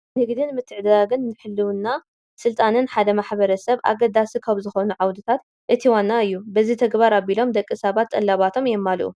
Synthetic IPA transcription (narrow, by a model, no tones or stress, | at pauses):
nɨɡd̪inmɨt̪ʰːɨʕd̪daɡɨnːɨħɨlːɨwɨnːa | sɨlt̪ʼanɨnħad̪ɐmaħbɐɾɐsɐβʔa̰ɡɐd̪asikʰaβzɨxonuʕawd̪ɨt̪ʰat̪ | ʔɨt̪ʰiwanːaɨjːubɐzit̪ʰɐɡbaɾabilo̞md̪ɐkʼːisɐβat̪sʼɐlːaβat̪ʰo̞mjɛmːalʔṵ